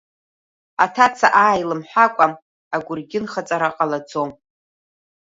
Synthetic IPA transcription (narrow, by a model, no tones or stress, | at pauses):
atʰat͡sʰaʔaːjlɨmħʷᶣakʷʼam | aɡʷʊrɡʲɪnχat͡sʼaɾaqʼalad͡zom